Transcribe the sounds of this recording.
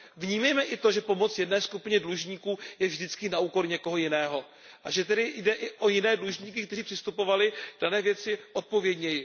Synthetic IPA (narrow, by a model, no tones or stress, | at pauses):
vɲiːmɛjmɛʔɪt̪o̞ʒɛpo̞mo̞t͡sjɛdnɛːskupɪɲɛdluʒɲiːkuːjɛvʒdɪt͡skɪnauːko̞ɾɲɛko̞ɦo̞jɪnɛːɦo̞ | ʔaʒɛt̪ɛdɪjdɛʔɪʔo̞jɪnɛːdluʒɲiːk̬ɪk̚t̪ɛriːpr̥ɪst̪upo̞valɪd̥anɛːvjɛt͡sɪʔo̞t̪̚po̞vjɛdɲɛjɪ